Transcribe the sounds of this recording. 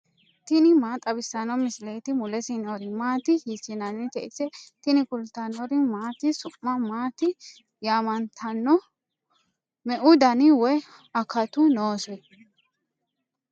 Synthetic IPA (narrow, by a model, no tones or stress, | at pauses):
t̪ɪnɪmaːt̪ʼɐbɪsːɐnɔmɪsleːt̪ɪmʊlɛsɪnoɾɪmaːt̪ɪhisɪnɐnːɪt̪ɛʔɪsɛt̪ɪnɪkʊlt̪ɐnɔɾɪmaːt̪ɪsʊmːɐmaːt̪ɪ | jaːmɐnt̪ʰɐnːɔ | mɛʔʊd̪ɐnɪwɔj | ɐkɐt̪ʊnoːsɛj